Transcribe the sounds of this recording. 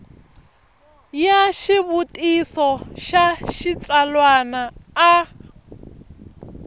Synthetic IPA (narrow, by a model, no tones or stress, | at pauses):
jaʃiβutʼisɔʃaʃit͡sʼalwanaː